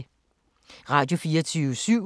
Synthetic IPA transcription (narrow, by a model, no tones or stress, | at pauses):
ʁɑ̈ːd̥jo̝fiːɐt͡sʰyːʊəsyʊ̰